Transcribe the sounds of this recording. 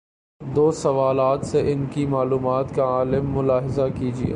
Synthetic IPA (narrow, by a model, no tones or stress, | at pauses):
d̪oːsɐʋaːlaːt̪seʔɪnkimaːluːmaːt̪kaaːlɪmːʊlaːɦɪzakiːd͡ʒiḛ